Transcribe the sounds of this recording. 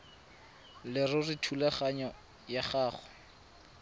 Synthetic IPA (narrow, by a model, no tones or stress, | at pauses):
lɪrʊrɪtʰulaχaɲɔ | jaχaːχʊ̥